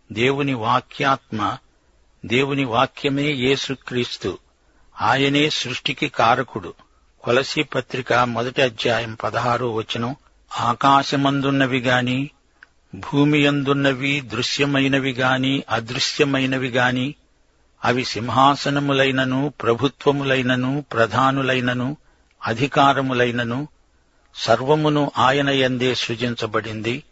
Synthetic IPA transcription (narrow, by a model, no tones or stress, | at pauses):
d̪e̞ːwuniʋaːkʰjaːt̪mɐ | d̪e̞ːwuniʋaːkjɐme̞ːje̞ːsukɾiːst̪ṵ | aːjɐne̞ːsɾuʂʈikikaːɾɐkuɽu | kɔlɐsipɐt̪ɾikamɔd̪ɐʈiɐd̪jaːjɐmpɐd̪ɐɦaːɾuʋɐt͡ʃːinɐm | aːkaːʃɐmɐnd̪unːɐʋiɡaːni | bʱuːmijɐnd̪unːɐʋid̪ɾuʂjɐmɐjnɐʋiɡaːniʔɐd̪ɾuʃjɐmɐjnɐʋiɡaːniː | ɐʋisimɦaːsɐnɐmulɐjnɐnupɾɐbʱut̪ʋɐmulɐjnɐnupɾɐd̪ʱaːnulɐjnɐnu | ɐd̪ʱikaːɾɐmulɐjnɐnu | sɐɾʋɐmunuʔaːjɐnɐjɐnd̪eːʃɾut͡ʃiɲt͡ʃɐbɐɽind̪i